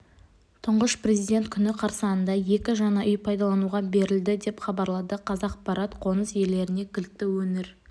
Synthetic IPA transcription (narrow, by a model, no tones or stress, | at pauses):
t̪ʰʊɴʁəʃpre̞zijd̪ʲe̞nt̪̚kʲʰʏnɪqʰɑɾsəɑənd̪ɑje̞kʲɪʒɑnɑʔʏjpʰɑjd̪ɑlˠɑnuʁɑbe̞ɾɪld̪ɪd̪e̞pχɑbɑɾlˠɑd̪əqʰɑzɑqpɑɾɑt̪qʰo̞nəsje̞lːe̞ɾɪne̞kʲʰɪlt̪ːɪwɵnɪɾ